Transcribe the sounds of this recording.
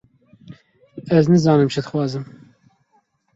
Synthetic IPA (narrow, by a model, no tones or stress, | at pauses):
ɛznɨzɑːnɨmʃɨd̪ɨxwɑːzɨm